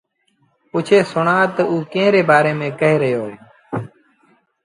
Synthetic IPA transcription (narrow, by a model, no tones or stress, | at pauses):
ʊt͡ʃʰeːsʊɳaːt̪əuːkẽːɾeːbaːɾeːmẽːkəɦeːɾəɦjoːɦeː